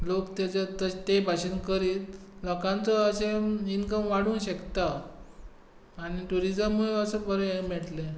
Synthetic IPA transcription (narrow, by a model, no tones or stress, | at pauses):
lokt̪at͡sət̪ət̪ebʱaɕənkəɾiːt̪lɔkãnt͡sɔəɕeinkəmʋaɽuːnɕəkt̪a | ñiʈuɾid͡zəmːuɭeəsəbəɾemɛɽʈle